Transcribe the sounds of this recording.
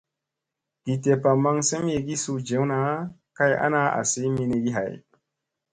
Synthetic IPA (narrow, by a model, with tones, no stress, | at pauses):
ɡ̥i˨te˨pa˨ma˧ŋse˦m˦je˨ɡi˦su˧d͡ʒe˨˦wna˨˦ka˦ja̰˦na˦a̰˨si˨˦mi˧ne˧ɡi˦ɦa̰˨j